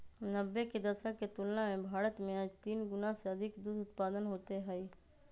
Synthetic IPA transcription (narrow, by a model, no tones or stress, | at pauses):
nəbːeked̪ɐɾʃəkket̪ʊlnamẽbʱaːɾət̪mẽaːd͡ʒt̪iːnɡʊnaseɐd̪ʱɪkd̪uːd̪ʊt̪paːd̪ənɦoːt̪eɦɛi